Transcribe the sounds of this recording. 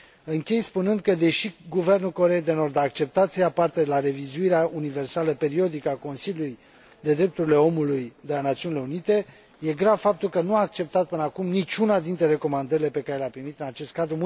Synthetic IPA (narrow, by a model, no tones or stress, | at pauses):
ɨŋkʲe̞jspunɨnd̪̚kəd̪e̞ʃiɡuve̞rnulko̞ɾe̞jd̪e̞no̞rd̪aːk̚t͡ʃe̞pt̪at̪sijapart̪elaɾe̞vizuiɾeaunive̞rsaləpe̞ɾio̞d̪ikəako̞nsilʲjuluj | d̪e̞d̪ɾe̞p̚t̪uɾile̞o̞mulujd̪elanat̪siunile̞unit̪e̞ | je̞ɡɾavfap̚t̪ulkənuaːk̚t͡ʃe̞p̚t̪at̪̚pɨnakumnit͡ʃʲunad̪int̪ɾe̞ɾe̞ko̞mand̪əɾile̞pe̞kaɾeleapɾimit̪ɨnat͡ʃe̞st̪kad̪ɾum